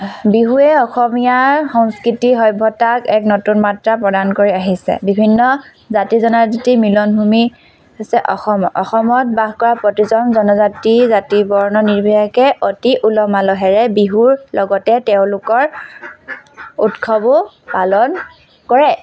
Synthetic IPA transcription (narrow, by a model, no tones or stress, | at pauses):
biɦuɛɔxɔmijaɹxɔŋskɹitiɦɔjbʱɔtakɛknotunmatɹapɹɔdankoɹiaɦisɛ̰bibʱinːɔ | zatizɔnaɹzitimilɔnbʱumi | sɛʔɔxɔmɔxɔmɔt̚baɦkɔɹapɹɔtizɔnzɔnɔzatizatibɔɹnɔniɹbʱijakɛʔotiʔulɔmalɔɦɛɹɛbiɦuɹlɔɡɔtɛtɛʊ̃lʊkɔɹ | utkʰɔbʊ | palɔn | kɔɹɛ